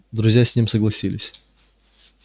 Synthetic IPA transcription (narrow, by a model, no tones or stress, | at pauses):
d̪ɾʊzʲjasʲnʲimsəɡlˠɐsʲilʲɪsʲ